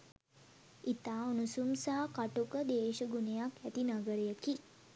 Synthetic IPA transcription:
it̪aːunusumsaɦakaʈukəd̪eːʃəɡunejakæt̪inaɡəɾejəki

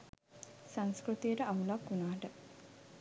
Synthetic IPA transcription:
saŋskɾut̪ijəʈəʔaulakːunaːʈə

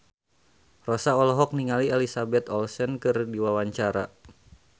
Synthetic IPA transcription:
rɔsaɔlɦɔk̚niŋalielisabɛt̪ɔlsɛnkɨrdiwawaɲt͡ʃaɾa

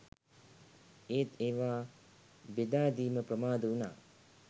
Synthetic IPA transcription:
eːt̪eːʋaː | bed̪aːd̪iːməpɾəmaːd̪əuna̰ː

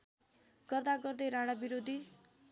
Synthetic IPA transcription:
ɡʌrd̪aɡʌrd̪eɾaɽ̃abiɾod̪ʱi

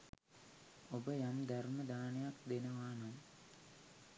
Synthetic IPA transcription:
obəjamd̪arməd̪aːnejakd̪enəʋaːnam

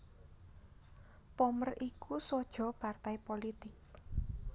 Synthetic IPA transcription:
pɔmərʔikusɔd̥ʒ̥ɔ̤part̪ajpolit̪ɪk̚

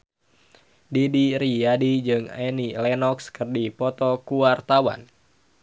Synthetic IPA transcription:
didiɾiadid͡ʒɨŋɛnilɛnɔkskərdipɔt̪ɔkuwart̪awa̰n

